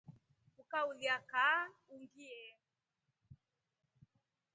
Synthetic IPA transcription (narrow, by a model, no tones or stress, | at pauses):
ukauliakauŋɡiɛ